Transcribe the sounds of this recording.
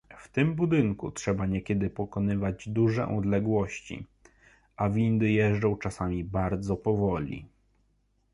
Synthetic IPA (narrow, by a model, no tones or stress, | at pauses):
ft̪ɘmbud̪ɘŋkṵtʂɛbaɲɛkʲɛd̪ɘpɔkɔnɘvad͡ʑd̪uʐɛ̰ʔɔd̪lɛɡwɔɕt͡ɕḭ | ʔavʲind̪ɘjɛʐɖɔ̃w̃t͡ʂasamʲibaɾd̪zɔpɔvɔlʲḭ